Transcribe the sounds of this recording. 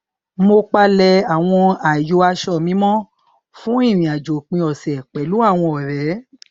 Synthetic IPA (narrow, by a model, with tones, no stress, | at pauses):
mo˧k͡pa˦lɛ˧a˨w̃ɔ̃˧a˨jo˨˧˦a˧ʃɔ˦˨mĩ˨˦mɔ̃˦ | fũ˦i˦˨ɾ̃ĩ˨a˨d͡ʒo˨k͡pĩ˧ɔ˨sɛ˨k͡pɛ˨˦lu˦a˦˨w̃ɔ̃˧ɔ˨ɾɛ˨˦